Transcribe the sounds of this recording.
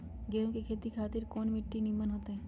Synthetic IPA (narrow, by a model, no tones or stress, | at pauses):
ɡeɦõkekʰeːt̪ikʰaːt̪ɪɾkoːnmɪʈːinimːənɦoːt̪eɦɛː